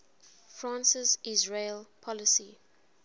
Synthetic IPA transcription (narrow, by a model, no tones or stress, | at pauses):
fɹãˑnsəzizɹelpʰɔləsi